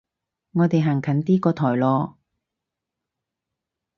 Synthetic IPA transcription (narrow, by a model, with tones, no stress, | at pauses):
ŋɔː˨˧t̪e˨jɦaː˨˩ŋkʰɐ˨˥nt̪iː˥kɔː˧t̪ʰɔː˨˩jlɔː˧